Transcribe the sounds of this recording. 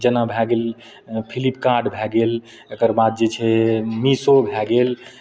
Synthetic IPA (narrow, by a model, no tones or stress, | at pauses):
d͡ʒənabʱɛɡel | pʰilipkaɖbʱɛɡel | ekəɾbad̪̚d͡ʒet͡ʃʰɛmisobʱɛɡel